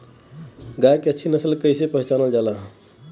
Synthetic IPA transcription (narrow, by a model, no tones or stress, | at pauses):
ɡajkeət͡ʃʰinəsəlkəjsepəɦit͡ʃanəld͡ʒalaɦə̃